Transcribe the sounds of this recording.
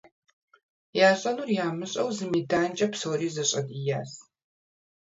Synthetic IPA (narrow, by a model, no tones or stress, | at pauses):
jaːɕʼɐnuːrjaːmɨɕʼɐwzɨmiːdaːnt͡ʃʼɐpsoːɾiːzɐɕʼɐdʼijaːs